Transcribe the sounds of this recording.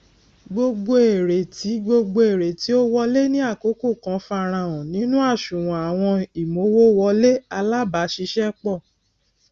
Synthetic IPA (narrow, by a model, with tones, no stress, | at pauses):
ɡ͡bo˧ɡ͡bo˧e˨ɾe˨ti˨˦ɡ͡bo˧ɡ͡bo˧e˨ɾe˨ti˨˦o˦wɔ˦le˦nĩ˦a˦˨ko˨˦ko˦˨kã˨˧˦fa˧ɾ̃ã˧wɔ̃˨nĩ˦nũ˦a˦˨ʃũ˨w̃ɔ̃˨a˨w̃ɔ̃˧i˨mo˨˦wo˦wɔ˧le˦a˧la˦ba˨˦ʃi˧˦ʃɛ˦k͡pɔ˦˨